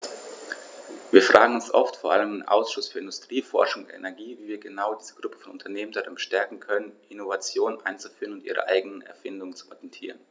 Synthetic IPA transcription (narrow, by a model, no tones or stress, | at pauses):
viːɐfʁ̥aːɡŋ̩ʊnsʔɔ̰ftfoːɐʔa̰ləmdenʔa̰ʊsʃʊsfyːɐɪndʊstʁ̥iːfɔ̰ɐʃʊŋʊntɛ̰nɛɐɡiːviːviːɐɡənaʊdiːzəɡ̥ʁʊpə̥fɔnʊntʰɐneːməndaʁanʃtɛɐkŋ̩kʰœnənʔɪnovat͡sjoːnənʔa̰ɪnt͡su̥fyːʁənʊntḭːʁə̰ʔa̰ɪɡənənɛ̰ɐfɪndʊŋənt͡su̥pʰɔ̰jɛntʰḭːʁən